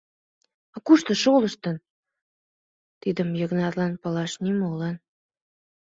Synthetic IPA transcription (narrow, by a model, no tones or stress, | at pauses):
ɑkuʃt̪ə̆ʃoləʃt̪ən | t̪id̪əmjəɣnɑrlɑnpəlɑʃnimolɑn